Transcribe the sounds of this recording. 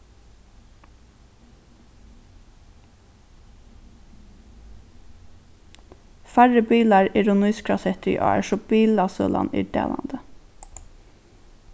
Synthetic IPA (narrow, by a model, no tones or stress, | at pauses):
fæɹəbiːlɑɹɪːɹʊnyːskʰɹɑsɛt̪ʔɔ̰ːæ̰ʂɔb̥iːlɑsœ̰ːlɑ̰nɪ̰ːɖḛːlɑ̰nd̪ə